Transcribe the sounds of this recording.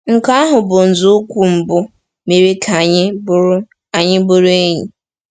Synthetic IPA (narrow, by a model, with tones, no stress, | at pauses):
ŋ̩˨ka˦a˦ɦʊ˨bʊ˨n̩˨zʊ˦kʷu˦m̩˨bʊ˦ | me˨ɾi˦kʰa˨ɲɪ˦b | a˨ɲɪ˦bʊ˦ɾʊ˦e˦ɲi˨